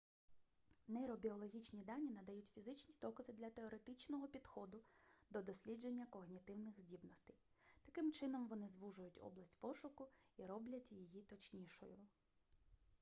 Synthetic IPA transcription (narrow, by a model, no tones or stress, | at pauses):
nɛɾɔbʲiɔlˠɔɦʲit͡ʃnʲid̪ɑnʲːinɐd̪ɐjutʲfʲizɪt͡ʃnʲid̪ɔkɐzɪd̪lʲɐt̪e̞ɔɾet̪ɪt͡ʃnɔɦɔpʲid̪̥xɔd̪ʊd̪ɔd̪ɔsʲlʲid͡ʒe̞nʲːɐkɔɣnʲit̪ɪwnɪɣzʲdʲibnɔst̪ɐj | t̪ɐkɪmt͡ʃɪnɔmʋɔnɪzʋuʒʊjʊtʲɔ̰blˠɐsʲtʲpɔʃʊkʊiɾɔblʲɐtʲjijit̪ɔt͡ʃnʲiʃɔ̰jʊ